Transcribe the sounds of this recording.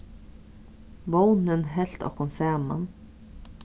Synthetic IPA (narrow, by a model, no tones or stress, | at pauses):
bownənɦɛlt̪ɑ̰ːkʰɔnsæːmɑ̰n